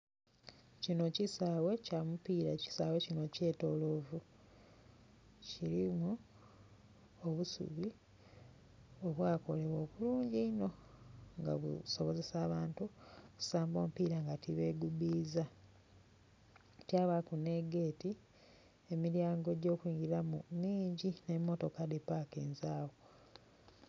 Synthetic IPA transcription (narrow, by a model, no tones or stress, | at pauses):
cino̞cisaːwe̞camupiːɾaci̥saːwe̞cino̞ce̞ːto̞lo̞ːvu | ciɾimu | oβusṵβi | o̞βwaːko̞le̞βwo̞ːkuluːɲɟiino̞ŋɡa̰βṵso̞βo̞ze̞saːβaːntuku̥saːmbo̞ːmpiːɾaŋɡatiβeɡuβiːza | tjaːβakune̞ɡeːti | e̞miɾjaːŋɡo̞ɟo̞ːkwiːŋɡiɾamumiːɲɟine̞mːo̞to̞kadepakḛːnzaːwo